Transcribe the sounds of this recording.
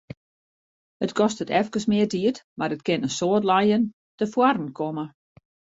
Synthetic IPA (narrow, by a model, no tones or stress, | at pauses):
ətkʰɔstətɛfkəsmɪərdiətmaɾət̚kɪnənsoətlajən | təfwarn̩kʰomə